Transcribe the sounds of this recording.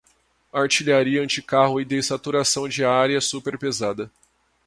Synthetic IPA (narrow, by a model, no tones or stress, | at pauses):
aɾt͡ʃiʎaɾiɐɐ̃t͡ʃɪkaɦʊɪd̪esat̪uɾasɐ̃w̃d͡ʒɪaɾiɐsupeɾpezad̪ɐ